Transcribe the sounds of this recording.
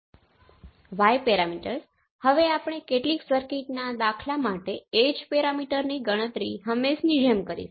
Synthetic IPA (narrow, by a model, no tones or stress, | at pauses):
ʋajpeɾamiʈəɾs | həʋeapɽ̃ekeʈliksəɾkeʈnad̪akʰlamaʈeed͡ʒpeɾamiʈəɾniɡəɽ̃ət̪ɾiɦəmːeʃnid͡ʒəmkəɾḭʃ